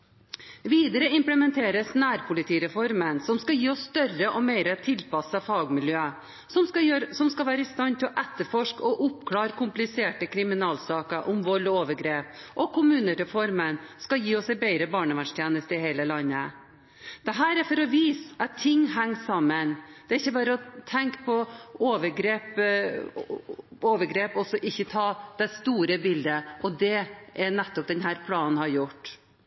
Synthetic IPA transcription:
ʋiːd̪əɾəɪmpləmɛnt̪ʰeːɾəsnæːɾpʰʊlɪt̪ʰiːɾɛfɔɾmənsɔmskɑjiːɔsːt̪œrəʔɔmeɪɾət̪ʰɪlpɑsəfɑːɡmɪljøː | sɔsɔmskɑʋæːɾəɪst̪ɑnt̪ʰɪlɔʔɛt̪ːəɾfɔʂkɔʔʊpkʰlɑːɾkʰʊmplɪseːʈəkʰɾɪmɪnɑːlsɑːkəʔʊmʋɔɭoːʋəɾɡɾeːpʔɔkʰʊmʉːnəɾɛfɔɾmənskɑjiːɔsɛɪbɛɪɾəbɑːɳəʋæʂt̪jeːnəst̪əɪheɪːləlɑnːə | d̪̥ɛɦæːɾæɾfɔɾɔʋiːsɑt̪ʰːɪŋːɦæŋːsɑmːənd̪̥ɛæɾɪçːəbɑːɾəɔt̪ʰɛŋkpʰɔoːʋəɾɡɾeːp | oːʋəɾɡɾeːpɔsɔʔɪçːət̪ʰɑːd̪̥ɛst̪uːɾəbɪld̪əʔɔd̪ɛʔænɛt̪ːɔp̚d̪ɛnɦæːɾpʰlɑːnn̩hɑɾjʊʈː

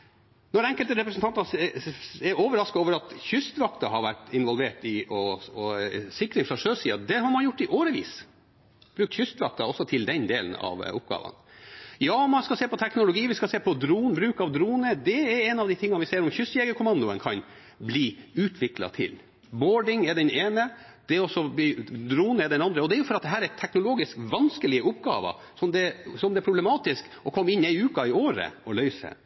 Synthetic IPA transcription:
nɔɾɛŋkəlt̪əɾɛpɾəsnt̪ɑnt̪ənɑ | ɛɾoːʋəɾɑskɑoːʋəɾɑt̪çʏst̪ʋɑkt̪ɑɦɑɾʋæʈɪnʋɔlʋeːʈɪʔɔɔsɪkɾɪŋfɾɑʂøːʂiːɑd̪ɛɦɑɾmɑnjʊʈːɪʔoːɾəʋḭːs | b̥ɾʉːk̚t̪çʏst̪ʋɑk̚t̪ɑɔsːɔt̪ʰɪld̪ɛnd̪eːlənɑ̰ʋʊp̚ɡɑ̰ːʋə̰njɑːɔmɑnskɑseːpɔt̪ʰɛknʊlʊɡiːʋɪskɑseːpʰɔd̪ɾuːnbɾʉːkɑʋd̪ɾuːnəd̪ɛɛɾɛnɑʋd̪ɪt̪ʰɪŋːɑʋɪseːɾɔmçʏsjɛɡəkʰʊmɑnd̪ʊənkʰɑn | bliːʉːt̪ʰʋɪklɑ̰t̪ʰɪ̰l | boːɖɪŋɛɖɛneːnə | d̪̥ɛɾɔsːɔbid̪ɾuːnəɛɖ̪ɛnɑnd̪ɾəɔd̪ɛæɾjʊfɔɾɑt̪̚d̪ɛɦæːɾæt̪ʰɛknʊloːɡɪskʋɑnskəlɪəʊpɡɑ̰ːʋə̰ | sɔmd̪ɛsɔmd̪ɛæpʰɾʊblɛmɑːt̪ɪsk | ɔkʰɔmːɪnːæɪʉːkɑɪoːɾə̰ɔlœʏsə̰

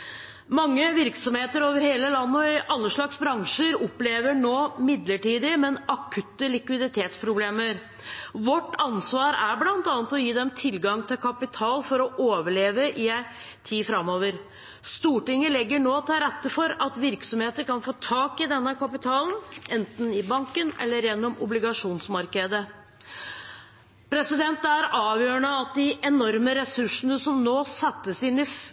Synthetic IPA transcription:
mɑŋːəʋɪɾksɔmheːt̪əɾoːʋəɾheːləlɑnːəɔɪʔɑlːəʂɭɑksbɾɑŋʂəɾɔpleːʋəɳoːmɪd̪ləʈiːd̪ɪmɛnɑkʰʉt̪ːəlɪkʋɪd̪ɪt̪ʰeːt̪spʰɾʊbleːməɾ | ʋɔʈːɑnsʋɑːɾæɾblɑnt̪ɑːnət̪ɔjiːd̪ɛmt̪ʰɪlɡɑŋt̪ʰɪlkʰɑpɪt̪ʰɑːlfɔɾɔʔoːʋəɭeːʋəʔɪæ | t̪ʰiːfɾɑmːoːʋəɾ | st̪uːʈɪŋːəlɛɡːəɳoːt̪ʰɪlɾɛt̪ːəfɔɾɑt̪ʋɪɾksɔmheːt̪əɾkɑnfoːt̪ʰɑːkɪd̪ɛnːəkʰɑpɪt̪ʰɑːlənʔɛnt̪nɪbɑŋkənɛ̰lːəɾjɛnːɔmʊblɪɡɑʂuːnsmɑɾkəd̪ə | pʰɾɛsɪd̪ɛnt̪æɾɑːʋjøːɳəɑt̪̚d̪ɪɛnɔɾməɾɛsʉʂnəsɔmnoːsɛt̪ːəsɪnɪ

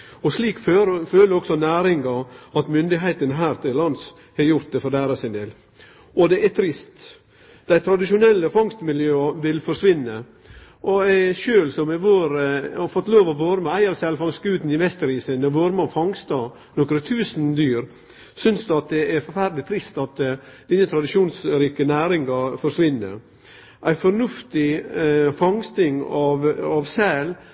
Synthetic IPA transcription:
ɔʂliːkføføːləɾɔksɔnæːɾɪŋɡɑɑt̪mʏnd̪ɪɦeːt̪ənɦæːɾt̪ʰɪllɑns | hɛjʊɾt̪̚d̪ɛfɔɾd̪æːɾɑsɪnd̪eːl | ɔd̪ɛʔæt̪ʰɾɪst̪ | d̪̥æɪt̪ʰɾɑd̪ɪʂʊnɛlːəfɑŋst̪mɪljøːɑʋɪlfɔɾʂʋɪnːə | ʔɔæʃøːlsɔmɛʋoːɾɔfɔt̪ːloːʋɔʋoːɾməæɪɑʋsɛlfɑŋsɡʉːt̪n̩ɪʋɛst̪əɾiːsənɛʋoːɾmɑfɑŋst̪ɑ | nɔkɾət̪ʰʉːsnd̪yːɾ | sʏnsd̪ʉɑt̪̚d̪ɛʔæɾfɔɾfæɾd̪lɪt̪ʰɾɪst̪ɑt̪d̪ɪnət̪ʰɾɑd̪ɪʃuːnsɾiːkənæːɾɪŋɡɑfɔɾʂʋɪnːə̰ɾ | ʔæɪfɔɾnʉft̪ɪfɑŋst̪ɪŋɑʋɑʋsæːl

